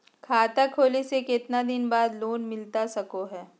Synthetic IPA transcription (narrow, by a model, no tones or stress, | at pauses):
kʰaːt̪akʰoːlesekɪt̪nad̪ɪnbaːd̪loːnmɪlt̪asɐkoɦɛː